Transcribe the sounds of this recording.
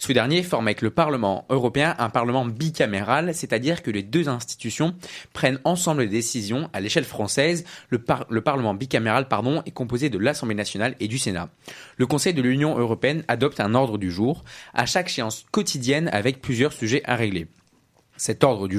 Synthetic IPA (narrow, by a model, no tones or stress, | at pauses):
səd̪ɛʁnjefɔʁmavɛkləpaʁləmɑ̰̃øʁɔpeɛ̃ʔɛ̃paʁləmɑ̃bikʲameʁalsɛt̪ad̪iʁkəled̪øzɛ̃st̪i̥t̪ysjɔ̃pχɛnɑ̃sɑ̃bləd̪ed̪esizjɔ̃ʔaleʃɛlfχɑ̃sɛz | ləpaʁləmɑ̃bikameʁalpaʁd̪ɔ̃ɛkɔ̃pozed̪əlasɑ̃blenasjɔnaled̪ysena̰ | ləkɔ̃sɛjd̪əlynjɔ̃ʔøʁɔpeɛnad̪ɔp̚t̪ɛ̃nɔʁd̪ʁəd̪yʒuːʁa̰ʃakʃeɑ̃skɔt̪ʰid̪jɛna̰vɛk̚plyzjœʁsyʒɛʔaʁeɡle | sɛt̪ɔʁd̪ʁəd̪y